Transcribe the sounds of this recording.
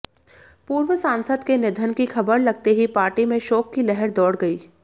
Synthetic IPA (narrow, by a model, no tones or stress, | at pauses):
puːɾʋəsãːnsəd̪kenɪd̪ʱənkixʰɐbəɾlɐɡ̚t̪eɦipaːɾʈimẽʃɔːkːilɛɦɛɾd̪ɔːɽɡɐiː